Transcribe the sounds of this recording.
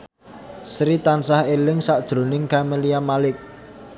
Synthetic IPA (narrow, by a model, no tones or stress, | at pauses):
sɾit̪ansahelɪŋsaʔd̥ʒ̥ɾo̤nɪŋkameliamalɪk̚